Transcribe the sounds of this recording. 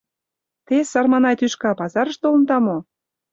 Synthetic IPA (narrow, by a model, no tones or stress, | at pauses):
t̪esɑrmɑnɑjt̪yʃkɑpɑzɑɾə̆ʃt̪olə̆nt̪ɑmo